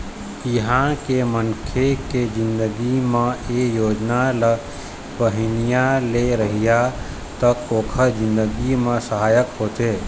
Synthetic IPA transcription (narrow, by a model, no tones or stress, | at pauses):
iɦãkemənkʰeked͡ʒɪ̃nd̪əɡimẽejoːd͡ʒnalə | bəɦinijãleɾəɦija | t̪əkoːkʰəɾd͡ʒɪ̃nd̪əɡimẽsəɦaːjəkɦot̪e